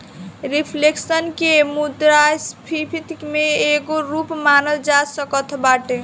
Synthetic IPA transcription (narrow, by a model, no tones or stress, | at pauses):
ɾipʰleksənkemud̪ɾaspʰipʰit̪kmeeɡoɾupmanəld͡ʒasəkət̪ʰbaʈe